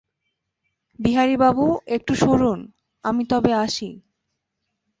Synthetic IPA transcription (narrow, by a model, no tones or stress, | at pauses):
biɦaɾibabuek̚ʈuʃoɾun | amit̪ɔbeaʃi